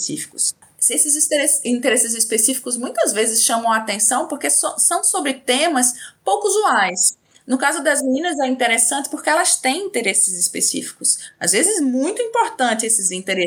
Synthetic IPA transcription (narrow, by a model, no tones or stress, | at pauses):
sḭfi̥kʊ̥s | sesɪzeɾesĩnt̪eɾesɪzispesifi̥kʊzmũj̃t̪ɐzvezɪsʃɐ̃mɐ̃w̃aːt̪ẽsɐ̃w̃poɾkessɐ̃w̃sobɾɪt̪ẽmɐspowkuzuajs | nʊkazʊd̪ɐzminĩnɐzɛĩnt̪eɾesɐ̃nt͡ʃ̪ɪ̥poɾkeɛlɐst̪ẽj̃ĩt̪eɾesɪzɪspḛsḭfi̥kʊsa̰zvezɪzmũj̃t̪ʊĩpoɾt̪ɐ̃nt͡ʃ̪ɪesɪzĩt̪eɾe